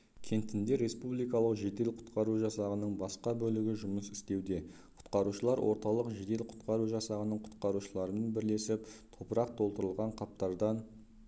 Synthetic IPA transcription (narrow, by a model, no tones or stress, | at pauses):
kʲʰe̞nt̪ɪnd̪e̞ɾe̞spublˠijkɑlˠəqʒe̞d̪e̞lqʰʊ̥t̪qɑɾuʒɑsɑʁənəɴbɑsqɑbɵlɪɡʲɪʒʊməsɪ̥st̪e̞wd̪e̞ | qʰʊ̥t̪qɑɾuʃəlˠɑɾwʔo̞ɾt̪ɑlˠəqʒe̞d̪e̞lqʰʊ̥t̪qɑɾuʒɑsɑʁənəɴqʰʊ̥t̪qɑɾuʃəlˠɑɾəmenbɪɾle̞sɪpt̪ʰo̞pəɾɑqt̪ʰo̞lˠt̪əɾəlˠʁɑɴqʰɑp̚t̪ɑɾd̪ɑn